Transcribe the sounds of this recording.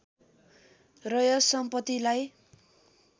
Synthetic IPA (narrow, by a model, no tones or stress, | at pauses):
rʌjʌsʌmpʌt̪ːilaj